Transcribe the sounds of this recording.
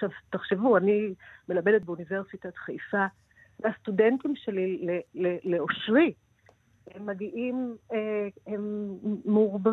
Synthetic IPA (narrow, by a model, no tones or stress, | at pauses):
ʃavt̪aχʃevuanimelabe̞det̪̚beuniveʁsit̪at̪χajfa | meast̪udent̪imʃe̞lileleleoʃʁi | hemːaɡiʔimehemː | ʁba